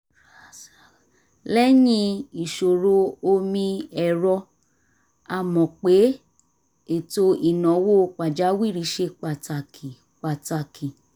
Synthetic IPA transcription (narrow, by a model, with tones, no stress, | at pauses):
ɾa˨s | lɛ˦jĩ˦˧i˨ʃo˨ɾo˧o˧mĩ˧ɛ˧˨ɾɔ˧ | a˧˨mɔ̃˨k͡pe˨˦ | e˨to˧i˨nɔ̃˨wo˦˧k͡pa˨d͡ʒa˨˦wi˦˨ɾi˧˦ʃe˧˦k͡pa˨ta˨kʰi˨ | k͡pa˨ta˧kʰi˨